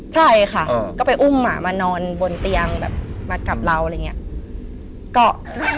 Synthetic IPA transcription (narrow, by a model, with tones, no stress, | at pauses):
t͡ɕʰa˥˩jkʰa˥˩ʔkɔː˥˩pa˧jʔu˥˩mmaː˧˩maː˧nɔː˧nbo˧nt̪i˧ɐŋbɛ̰ː˨˩p̚maː˧ka˨˩p̚la˧wa˧˨ŋː˧i˦˥ɐ | kɔː˥˩